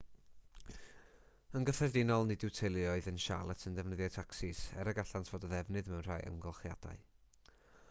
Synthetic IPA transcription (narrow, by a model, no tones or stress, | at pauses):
ənɡəθɛrdɪnɔlˠnɨdɪwtʰelˠjɔɨðənʃa̰lˠətʰəndɛvnəðjɔtʰaksɪsɛ̰ɾəɡaɬantʰv̥oːdəðɛvnɨðmɛwnr̥ajə̰ŋɡɔlˠχja̰d̥a̰ɨ